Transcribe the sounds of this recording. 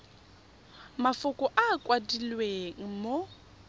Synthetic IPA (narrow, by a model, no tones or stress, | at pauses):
mafʊkʼɔʔaːkʼwadilweŋ̩mo